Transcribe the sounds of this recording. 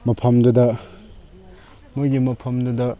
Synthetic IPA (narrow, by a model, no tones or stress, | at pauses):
mɐpʰɐmdudɐ | mujɡimɐpʰɐmdudɐ